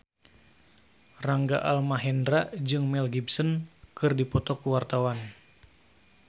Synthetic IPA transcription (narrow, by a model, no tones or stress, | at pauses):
raŋɡa̰ʔalmaɦɛndɾaʔd͡ʒɨŋmɛlɡibsənkɨrdipɔt̪ɔkuwart̪awan